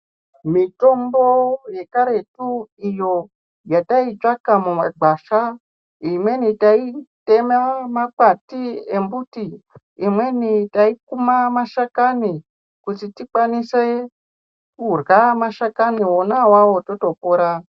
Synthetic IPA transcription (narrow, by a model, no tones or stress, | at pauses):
mito̞mboje̞kaɾe̞tuijo̞ | jatait͡ʃakamumaɡ͡baʃa | imwe̞nitaitemamapatiembutiː | mwe̞nitaik̚umamaʃakani | kutitik͡pwanise | kurwamaʃakaniwonawawo̞to̞to̞poɾa